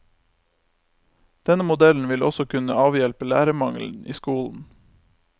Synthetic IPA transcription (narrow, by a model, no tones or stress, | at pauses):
d̪̥ɛnəmʊd̪ɛln̩ʋɪlɔ̰sɔkʰʉnəɑːʋjɛlpəlæːɾəmɑŋl̩n̩ḭːskuːln̩